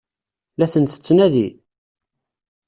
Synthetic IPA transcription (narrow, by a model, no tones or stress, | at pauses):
læθənθə̥t͡sːnæði